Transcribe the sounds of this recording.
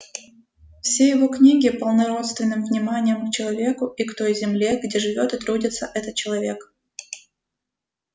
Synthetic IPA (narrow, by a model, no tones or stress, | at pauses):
fsʲejɪvo̞knʲiɡʲɪpəlˠnɐɾo̞t̪st̪vʲɪnːɨmvnʲɪmanʲɪjəmkt͡ɕɪlˠɐvʲe̞kʊikt̪o̞jzʲɪmlʲe̞ɡdʲe̞ʐɨvʲo̞t̪ɨt̪ɾudʲɪt̪səʔɛt̪ət̪̚t͡ɕɪlˠɐvʲe̞k